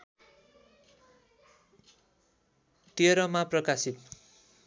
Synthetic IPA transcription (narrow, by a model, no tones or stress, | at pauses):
t̪iʌɾʌmaprʌkasit̪̚